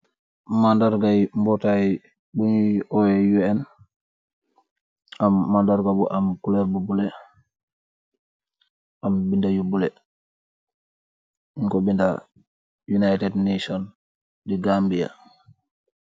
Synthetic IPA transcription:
mandaɾɡajmbɔta | bunʔɔjɛjuɛn | amːandaɾɡabuʔamkulɛɾbubulɛ | ʔambindajubulɛ | iŋkɔbinda | junajtɛdnasɔn | diɡambija̰

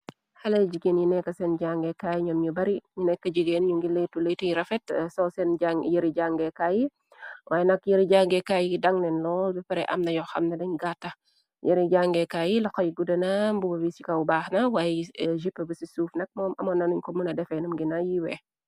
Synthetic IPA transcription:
hɐlɐd͡ʒiɡenjinɛkːɐsɛnɟaŋɡɛkaːjɲɔmɲubɐɾiɲunɛkːɐd͡ʒiɡenɲuŋɡiletuletujiɾɐfɛtsɔsɛnajəɾiɟaŋɡɛkaji | wʔaːjɛnɐkjəɾiɟaŋɡɛkajiidɐŋnɛnlɔːlbipɐɾɛʔɐ̰mnɐjɔxɐmnɐdɐɲɡatːɐ | jəɾiɟaŋɡɛkajilɐxɔjiɡudɐnɐmbubɐbisikɐwbaːxnɐwaːjʒipːəbəsisuːfnɐk̚mɔːmʔɐ̰mɐnɐnuɲkɔmunɐdɛfɛnumɡinɐjiwɛ

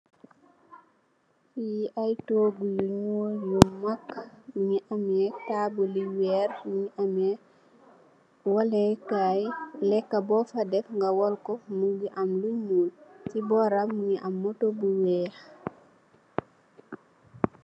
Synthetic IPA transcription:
jiʔajtoːɡujuɲɔːjumɐkːmuɲiʔamɛtaːbuliwɛːɾmuŋiʔamɛ | wɐlɛkajlɛkːɐbɔfɐdɛfŋɡɐwɔlkɔmuŋɡiʔɐmluɲmuːltibɔɾamːuŋiʔamːɔtobuwɛx

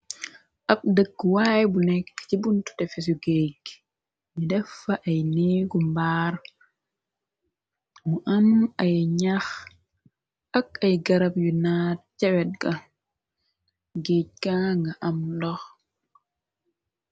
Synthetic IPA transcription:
ʔɐp̚dəkːwaːjɛbunɛkːcibuntu̥tɛfes̬uɡeɟ | midɛfːɐʔɐjniːɡumbaːɾ | muʔɐmɐjɲax | ɐkɐjɡɐɾɐpjunaːt̚cɛwɛt̚ɡɐ | ɡec̚kaŋɡɐʔɐmdɔx

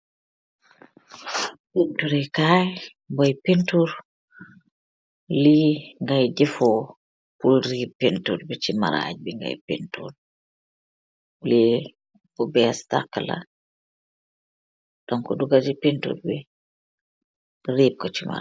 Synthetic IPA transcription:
pintuɾɛkaj | mbɔjpentuɾ | liŋɡajɟɛfɔ | pulɾibpːentuɾbɛt͡ʃima̰ɾa̰ɟ̚biŋɡa̰jpḭntṵɾ | li | bubɛsta̰kːəla̰ | d̥ɔŋkɔduɡad͡ʒipentṵɾbɛ | riːb̚kɔt͡ʃima̰ɾ

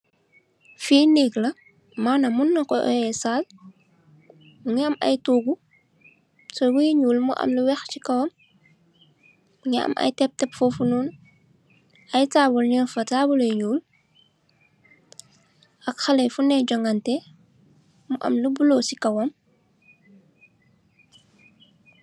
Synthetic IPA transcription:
fiːneːklɐ | manɐmunːɐkɔʔɔ̰jɛsaːl | uŋiɐmɐ̰jtuːɡu | sɔwujɲuːlmuʔɐ̰mluwɛxcikɐwɐm | uɲiɐ̰mʔɐ̰jtɛp̚tɛpfofunun | ɐjtabulɲinfɐtaːbuljɲuːl | ʔɐkxɐlɛjfunɛɟɔŋɡɐntɛ | muʔɐ̰mlubulosikɐwɔm

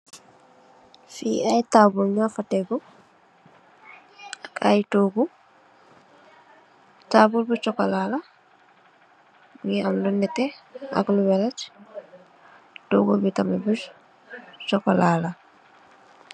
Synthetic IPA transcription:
fḭajtaːbulɲafatɛɡɔ | akʰa̰jtoɡu | taːbulbut͡ʃɔkalaːla | ŋiamdɔnɛtɛa̰kluwɛlat͡ʃ | to̰ɡubitamɛbu | t͡ʃɔkalala

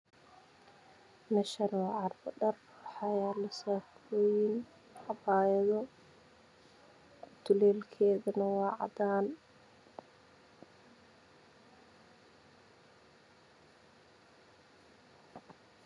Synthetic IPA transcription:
mɛʃɐnɔːʕɑrbɐɖɐr | ħɑjaːlɐsaːfɔːjɪn | ɑbaːjɐðɔ | t̪ʰʊlɛːlkʰɛːðɐnɐwɑːʕɑ̰d̪aːn

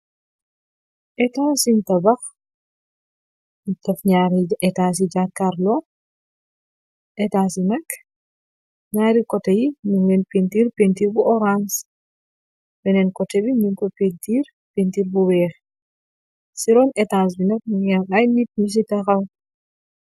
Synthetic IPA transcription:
ʔɛtasintɐbɐx | nitɐfɲaɾiɛtaːs̬id͡ʒakːaɾlɔ | ʔɛtaːsinɐk | ɲaːɾikɔtɐjimuŋɛnpentiːɾpentiːɾbuʔɔɾans | bɛnɛnkɔtɛbimiŋkɔpentiɾ | pentiɾbubɛːx | siɾɔnɛtaːs̬binɐk̚muŋɛʔajnit̚mis̬itɐxɐw

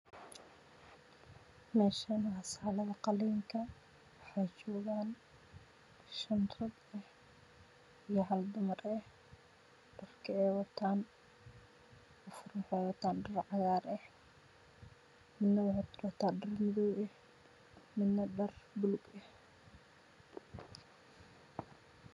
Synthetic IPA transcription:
mɛːʃanɐhɐsaːlɐðɐqɑliːŋkʰɐ | wɑħɑjt͡ʃɔːɣaːn | ʃɐnrʰɐd̪ɛh | ijɔɦɐld̪ʊmɐrɛh | ɖ̥ɐrkʰɐɛːwɐt̪ʰaːn | ɔfʊrmħɛwɐt̪ʰaːnɖɐrʕɑɣaːɾɛh | mɪnːɐwħt̪wat̪ʰaːɖɐrmɪðɔwɛh | mɪd̪ːɐɖɐrbʊlʊɡɛh

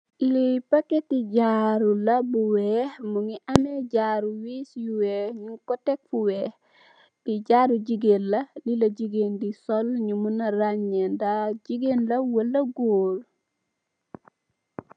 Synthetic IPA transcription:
lipɐkːetiɟaɾulɐbuwɛmuŋiʔɐmɛɟaɾuwisjuwɛɲukɔtɛk̚fuwɛ | biɟaɾud͡ʒiɡenlɐlilɐd͡ʒiɡendisɔlɲumunɐɾaɲːɛndad͡ʒiɡenlɐwəlːɐɡoːɾ

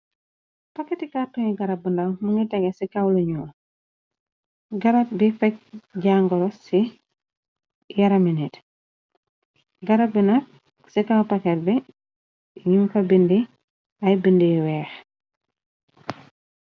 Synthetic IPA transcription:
pɐkɛtikatɔŋiɡɐɾɐbundɐwmuŋɡitɛɡesikawluɲuːl | ɡɐɾɐt̚bifɛk̚ɟaŋɡɔɾɔsi | jɐɾɐminit | ɡɐɾɐbinɐk̚ | sikawpɐkɛt̚bi | ɲimkɐbindi | ɐjbindiwɛːx

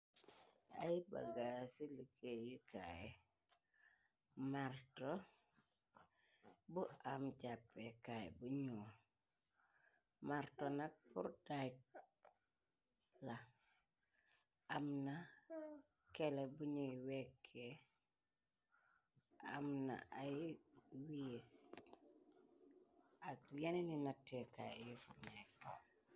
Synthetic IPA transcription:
a̰jiba̰ɡasilikejikʰa̰jɛ | maɾtɔ | buamt͡ʃapːɛkajɛ̰buɲu | maɾtɔnak̚pṵɾda | la | amna | kɛlɛbuɲuwɛkʰːe | a̰mna̰ʔa | wis | akjaneninatːɛkajjifumɛk

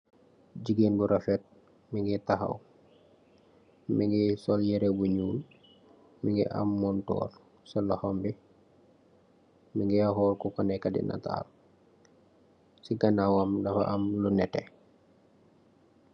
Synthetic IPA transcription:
ɟiɡeːnbuɾʔɐfɛt̚ | miŋɡitaɦɐ̰w | miŋɡisɔljɛɾebuɲuːl | miŋɡḭʔa̰mːɔntɔ̰ːl | sɔlahɔmbi | miŋɡɛaɦɔːlkɔkɔnɛkadḭna̰ta̰ːl | siɡanawamdɐfa̰ʔɐmlunɛtɛ̰

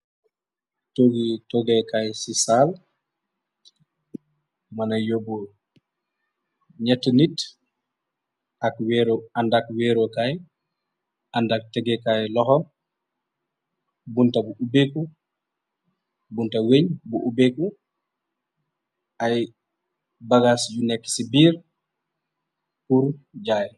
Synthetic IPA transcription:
toɡitɔɡɛkajsisal | manajobo | ɲɛtːunit | akwɛɾandakwɛɾokaj | ʔandak̚tɛɡɛkajlɔhɔ | buntabuʔubeku | buntaweɲbuʔubeku | ʔaj | baɡasd͡ʒunɛkːi̥sibiːɾ | kuɾd͡ʒaj

